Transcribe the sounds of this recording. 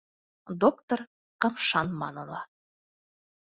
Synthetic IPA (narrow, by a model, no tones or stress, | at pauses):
d̪okt̪oɾ | qɤ̆mʃɑnmɑ̰nɤ̆lˠɑ